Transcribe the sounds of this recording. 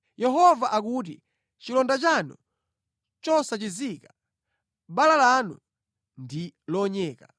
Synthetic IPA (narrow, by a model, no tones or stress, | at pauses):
jɛɦɔvaʔak̬uːt̬i | t͡ʃilɔndat͡ʃanṵ | t͡ʃɔsat͡ʃiziːka | ɓalalanṵ | ndilɔɲɛːka